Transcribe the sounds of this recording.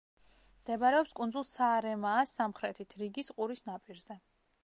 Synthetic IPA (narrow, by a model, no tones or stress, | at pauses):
md̪̥ɛbaɾɛɔpskʼund̪zulˠsaːɾɛmaːsːamχɾɛt̪ʰit̪ʰɾiɡisqʼuɾisnapʼiɾzɛ